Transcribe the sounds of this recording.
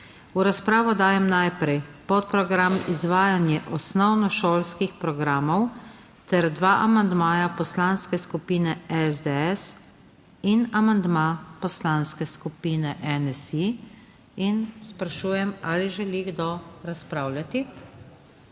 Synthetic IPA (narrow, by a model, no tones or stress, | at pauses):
uɾaspɾaːʋɔd̪aːjɛmnajpɾɛjpɔt̪̚pɾɔɡɾamizʋaːjanjɛʔɔsnɔwnɔʃoːlskixpɾɔɡɾaːmɔw | t̪ɛɾd̪ʋaːʔamand̪maːjapɔslanskɛskupiːnɛɛzd̪ɛɛs | inamand̪mapɔslanskɛskupiːnɛʔɛnɛsi | inspɾaʃuːjɛmaːliʒɛliɡd̪oɾaspɾaːwlʲjat̪i